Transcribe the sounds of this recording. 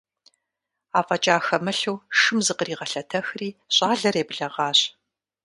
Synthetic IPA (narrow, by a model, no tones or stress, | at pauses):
aːfʼɐt͡ʃʼaːxɐmɐɬuwʂɨmzɨqəriːʁɐɬɐtʰɐxriːɕʼaːɮɐreːbɨɮɐʁɑːɕ